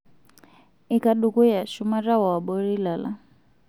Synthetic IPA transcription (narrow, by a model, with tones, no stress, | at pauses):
i˨ka˨ɗu˨ku˦ja˨ʃu˦ma˦ɾa˦wa˨a˨ɓɔɾi˦la˨la̰˦